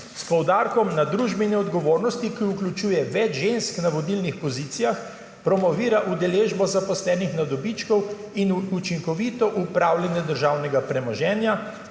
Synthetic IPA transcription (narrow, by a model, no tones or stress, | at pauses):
spɔwd̪aɾkɔmnad̪ɾuʒbɛinɛɔd̪ɡɔʋoːɾnɔst̪ikiuklʲut͡ʃuːjɛʋɛd͡ʒʒensknaʋɔd̪ilnixpɔziːt̪sijax | pɾɔmɔʋiːɾaʔud̪ɛleːʒbɔzapɔslɛːnixnad̪ɔbit͡ʃkɔw | inut͡ʃiŋkɔʋit̪ɔʔupɾaːwlʲɛnjɛd̪əɾʒawnɛɡapɾɛmɔʒɛːnja